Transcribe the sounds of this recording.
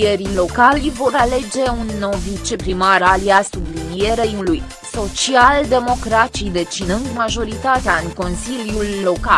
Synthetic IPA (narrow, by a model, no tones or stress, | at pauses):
eɾilo̞kalvo̞ɾale̞d͡ʒe̞unːo̞wvit͡ʃepɾimaɾaliasublinieɾe̞uluj | so̞t͡ʃiald̪e̞mo̞kɾat͡ʃid̪e̞t͡ʃinɨnd̪maʒo̞ɾit̪at̪eaɨŋko̞nsiljulːo̞ka